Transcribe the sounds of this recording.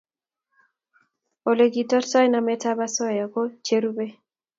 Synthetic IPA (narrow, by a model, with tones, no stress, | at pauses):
o˨le˨ɡi˨tɔ˦tsɔ˦jna˨mɛ˦ta˦ba˦sɔ˦ja˨ko˦t͡ʃe˦ɾu˦be˦